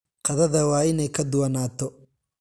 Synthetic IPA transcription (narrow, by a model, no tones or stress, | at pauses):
qɑðɐðɐwɑːɪnɛjkʰɐd̪ʊwɐnaːt̪ʰɔ